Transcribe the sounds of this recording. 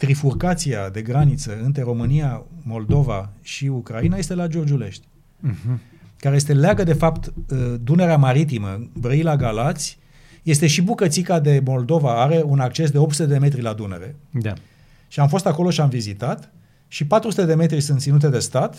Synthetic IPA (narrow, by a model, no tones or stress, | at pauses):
t̪ɾifurkat̪siad̪e̞ɡɾanit̪səɨnt̪ɾe̞ɾo̞mɨnijamo̞ld̪o̞va̰ʃiukɾainaje̞st̪e̞lad͡ʒo̞rd͡ʒule̞ʃt̪ʲ | kaɾejest̪e̞leaɡəd̪e̞fapt̪d̪une̞ɾeamaɾit̪̬imə̰bɾəilaɡalat̪sʲ | je̞st̪e̞ʃibukət̪sikad̪e̞mo̞ld̪o̞vaaɾe̞unak̚t͡ʃe̞s̬d̪eopt̪sut̪ed̪e̞me̞t̪ɾilad̪une̞̰ɾe̞ | ʃiamfo̞st̪ako̞lo̞ʃiamvizit̪at̪ | ʃipat̪ɾusut̪ed̪e̞me̞t̪ɾisunt̪sinut̪̬e̞d̪e̞st̪at̪